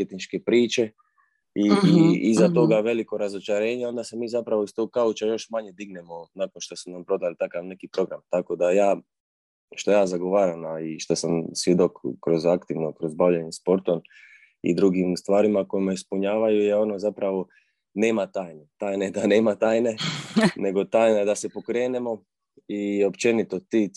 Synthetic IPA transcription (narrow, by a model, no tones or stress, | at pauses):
pjet̪nit͡ʃke̞pɾiːt͡ʃe̞ | iizat̪o̞ɡaʋe̞liko̞ɾazo̞t͡ʃaɾe̞ːɲeo̞nd̪ase̞miːzapɾaʋo̞ist̪o̞ɡ̚kaut͡ʃajo̞ʃmaɲe̞d̪iɡnemo̞nako̞nʃt̪o̞sunampɾo̞d̪alit̪akaʋne̞kipɾo̞ɡɾamt̪ako̞d̪ajaː | ʃt̪o̞jaːzaɡo̞ʋaːɾanaiʃt̪osamsʋjed̪okːɾo̞zakt̪iʋnokɾo̞zbaʋʎeɲespo̞ɾt̪o̞n | ḭd̪ɾuɡimst̪ʋaːɾimako̞jimeispuɲaːʋajujeo̞nozapɾaʋo̞ | ne̞ːmat̪aːjne̞t̪aːjneed̪ane̞ːmat̪aːjne̞ne̞ɡo̞t̪aːjnaed̪ase̞po̞kɾe̞ːne̞mo̞ | io̞pt͡ʃe̞nit̪o̞t̪i